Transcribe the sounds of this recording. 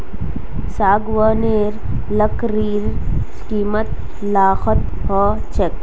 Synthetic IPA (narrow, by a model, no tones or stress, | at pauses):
saːɡwəːneːɾləkɾiːɾskiːmət̪ | laːxət̪ | hɔt͡ʃek